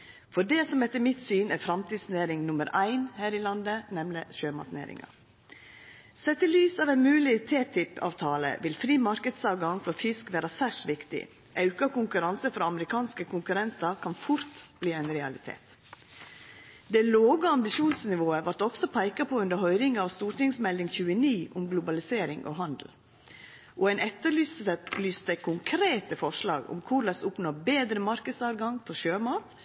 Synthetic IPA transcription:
fɔɖɛsɔmɛt̪ːəmɪt̪syːnæɾfɾɑmt̪ʰiːd̪sneːɾɪŋnʊməɾʔæɪnhæːɾɪlɑnd̪ənɛmləʃøːmɑ̰t̪nḛːɾɪ̰ŋɑ̰ | sɛt̪ːəlyːsɑːʋæɪnmʉːlɪt̪ʰeːt̪ʰɪpʰɑ̰ːʋt̪ʰɑːlə̰ʋɪlfɾiːmɑɾkəd̪sɑːʋɡɑŋfɔɾfɪskʋæːɾɑsæʂʋɪkt̪ɪ̰ | ʔɑʉkɑkʊŋkʉɾɑnsəfɾɑɑməɾɪkʰɑːnskəkʰʊŋkʉɾɛnt̪ɑɾkʰɑnfʊɾt̪bliːæɪnɾɛɑ̰lɪt̪ʰḛːt̪ | d̪ɛloːɡɑɑmbɪʃuːnsnɪʋoːəʋɑɾʈ̪ɔksɔpʰæɪkɑpʰɔʉnd̪əɾɦœʏɾɪŋɑʋst̪uːɾʈ̪ɪŋsmɛld̪ɪŋçʉːəniːʔʊmɡlʊbɑlɪseːɾɪŋʔɔ̰ɦɑnd̪l̩ | ʔɔæɪnʔɛt̪ːəɾɭyːsəlyːst̪əkʰʊŋkʰɾeːt̪əfɔʂlɑ̰ːɡɔ̰mkʰʊɾlɑsʊpnoːbeːd̪ɾəmɑɾkəd̪sɑːʋɡɑŋfʰɔʃøːmɑːt̪

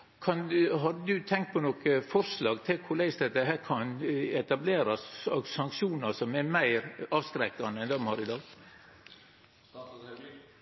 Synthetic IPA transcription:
kʰɑnɦɑd̪əd̪ʉt̪ʰɛŋkt̪̚pʰɔnɔːkəfɔɾslɑːɡt̪ʰɪlkʰʊɾɭæɪsd̪ɛt̪ːəɦæːɾkʰɑnɛt̪ɑbleːɾɑsɑɡsɑŋkʃuːnɑsɔmæmæɪɾɑːʋskɾɛkːɑnəɛnd̪ɔmhɑɾɪd̪ɑːɡ

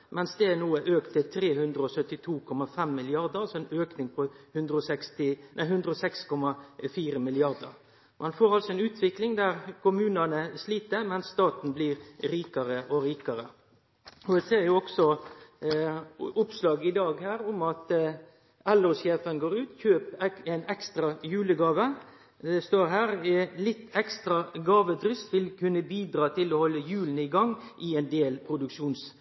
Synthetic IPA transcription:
mɛnsd̪ɛænuːəʔøːkt̪ːɪlt̪ʰɾeːhʉnd̪ɾəɔsœt̪ːɪt̪ʰuːkʰɔmɑfɛmːɪlɪɑʁd̪əɾsɔɛnøːknɪŋpʰɔhʉnd̪ɾəɔsɛkst̪ɪnʔæɪɦʉnd̪ɾəɔsɛkskʰɔmːɑfiːɾəmɪlɪɑʁd̪ə̰ɾ | mʔɑnfoːɾɑlsɔɛnʉːt̪ʰʋɪklɪŋd̪æɾkʰʊmʉːnənəsliːt̪əɾmɛnsːt̪ɑːt̪n̩bliːɾɾiːkɑɾəʔɔɾiːkɑɾə | ɔd̪ɛseːɾjʊɔksɔ | ʊpslɑːɡɪd̪ɑːɡhæːʁʊmɑt̪ | ɛloːsjeːfənɡoːɾʉːt̪çøːpɛnɛkst̪ɾɑjʉːləɡɑːʋə | d̪ɛst̪oːɾɦæːʁlɪt̪ːɛkst̪ɾɑɡɑːʋəd̪ɾʏst̪ʋɪlkʉnːəbiːd̪ɾɑːt̪ʰɪlɔhɔlːəjʉːln̩ɪɡɑŋʔɪɛnd̪eːlpʰɾʊd̪ʉkʃuːns

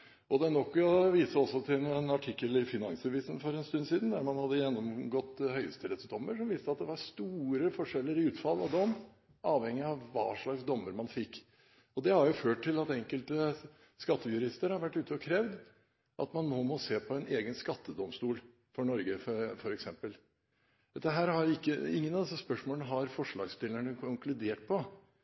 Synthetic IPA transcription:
ʔɔd̪ɛænɔkːɔʋiːsəɔsːɔt̪ʰɪlnɛnɑʈʰɪkːəlɪɾfɪnɑŋsɛʋiːsən̩fɔɾɛnst̪ʉnːsiːd̪n̩d̪æɾmɑnhɑd̪ːəjɛnːɔmɡɔt̪ːhœʏə̰st̪ʰɪlɛt̪sd̪ɔmːəʂɔmʋɪst̪əɑt̪̚d̪ɛʋɑɾst̪uːɾəfɔʂɛlːəɾɪʉːt̪fɑlːɑ̰ʋd̪ɔmː | ɑːʋhɛŋɪɑʋːɑ̰ːʂɭɑɡsd̪ɔmːəɾmɑnfɪkː | ɔd̪ɛhɑɾjʊføːʈʈʰːɪlɑt̪ɛŋkəlt̪ə | skɑt̪ːəjʉɾɪst̪əɾhɑɾʋæʈːʉːt̪ʰəɔkʰɾɛʋd̪ | ʔɑ̰t̪mɑnnoːmɔseːpʰɔɛneːɡənskɑt̪ʰːəd̪ɔmst̪uːl | fɔɳɔɾɡəfɔɾɛksɛmpəl | d̪ɛt̪ːəɦæːɾhɑjʊɪkːəɪ̰ŋːənɑvd̪ɛsːəspœʂmoːlnəɦɑɾfɔʂɭɑ̰ːɡst̪ɪləɳəkʰʊŋklʉd̪eːʈ̚pʰɔ

